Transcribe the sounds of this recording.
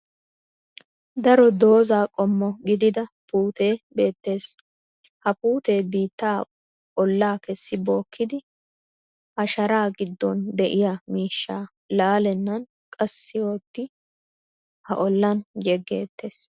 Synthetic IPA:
d̪ɐɾɔd̪o̞ːzaːkʼɔmːɔɡɪd̪ɪd̪ɐpuːt̪e̞ːbe̞ːt̪ːe̞ːs | hɐpuːt̪e̞ːbiːt̪ːaː | ʔɔlːaːkɛsːɪbo̞ːkʰːɪd̪ɪ | ʔɐʃɐɾaːɡɪd̪ːɔnd̪ɛʔɪjaːmiːʃːaː | laːlɛnːɐn | kʼɐsːɪjoːt̪ːɪ | hɐʔɔlːɐnjɛɡːe̞̰ːt̪ːe̞ːs

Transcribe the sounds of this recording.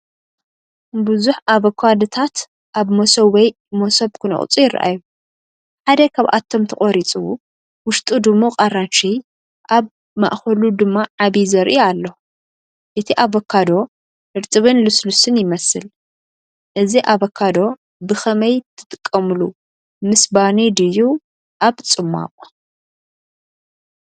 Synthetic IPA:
bɨzuħaβɐkʰːad̪ot̪ʰat̪ | ʔaβmosɐβwɔj | mosɐβkʰɨnɔ̰χʼt͡sʼujɪra̰ʔa̰ju | ħad̪ɐkʰaβʔa̰t̪ʰːo̞mt̪ʰɐkʼoɾit͡sʼu | wʊʃt̪ʼud̪ɨmːoqʼaranʃi | ʔaβ | ma̰ʔxɐlud̪ɨmːaʕaβizɐɾʔialːo | ʔɨt̪ʰiʔaβɐkʰːad̪o̞ | ɨɾt̪ʼɨβɨnluslusɨnjɪmɐsɨl | ʔɨziʔaβɐkʰːad̪o̞ | bɨxɐmɐjt̪ʰɨ̥t̪ʼɨ̥kʼːɐmɨlu | mɨsbanid̪ɨju | ʔaβt͡sʼɨmːa̰qʼ

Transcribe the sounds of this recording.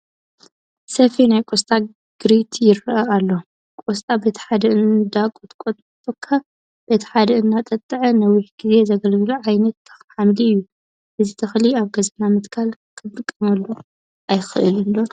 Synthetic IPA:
sɐfinajkʼost̪ʼa | ɡ̥ɨɾit̪ʰjɪɾʔɐalːo̞ | kʼost̪ʼabe̞t̪ʰħad̪ɐʔɨnd̪akʼot̪ʼkʼot̪ʼt̪ʼːokʰːɐ | b̥et̪ʰɐ̥ħad̪ɐɨnːat̪ʼɐt̪ʼːɨʕɨnɐwiħɡ̥ize̞zɐɡɐlɡluʕajnɐt̪ːɐ̥xħamd̪iɨjːu | ʔɨzit̪ʰɐxliaβɡɐzɐnamɨt̪kʰalkʰɨt̪ʼɨkʼːɨmɐlːu | ʔajxɨʔɨlɨlːo

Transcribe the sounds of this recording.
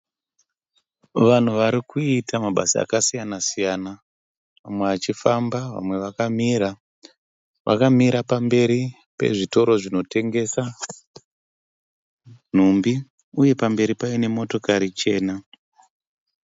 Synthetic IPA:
ʋan̤uʋaɾikʰuitamaɓasia̰kasijanasijana | ʋamwe̞at͡ʃifambaʋa̰mwe̞ʋakamiɾa | ʋa̰kamiɾapambe̞ɾi | pe̞̰ʐito̞ɾo̞ʐino̞te̞ŋɡe̞sa | n̤umbi | uje̞pambe̞ɾipaine̞mo̞to̞kaɾit͡ʃe̞ːna

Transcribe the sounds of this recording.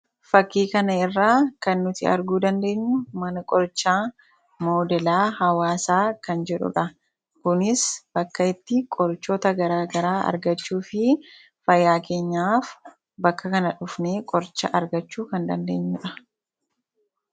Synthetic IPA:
fɐkːiːkɐnɐɪrːaːkɐnːʊt̪ɪɐ̰ɾɡuːd̪ɐnd̪e̞ːɲːʊmɐnɐkʼɔɾt͡ʃːaː | mo̞ːd̪ɛlaːhɐwaːsaːkɐnd͡ʒɛᶑʊ̰ᶑɐ | kʊnɪsb̥ɐkːɐɪt̪ːɪkʼɔɾt͡ʃːoːt̪ɐɡɐɾaːɡɐɾaːɐ̰ɾɡɐt͡ʃːuːfɪ | fɐjːaːke̞ːɲːaːf | bɐkːɐkɐnɐᶑʊfneːkʼɔɾt͡ʃːɐ̰ʔɐɾɡɐt͡ʃːuːkɐnd̪ɐnd̪e̞ːɲːʊᶑɐ

